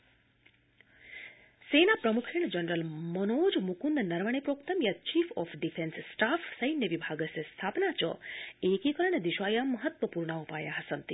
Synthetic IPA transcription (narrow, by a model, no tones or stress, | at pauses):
senapɾəmukʰiɳ̃d͡ʒənɾəlmənod͡ʒmukund̪nəɾməɳ̃epɾokt̪əmjat͡ʃifʰɔfʰɖifʰensːʈafʰsəjnːəʋibʱaɡəsest̪ʰapnat͡ʃɔ̰ekikəɾəɳd̪iʃajaməɦət̪ʋəpuɾɳaupajaɦəsənt̪i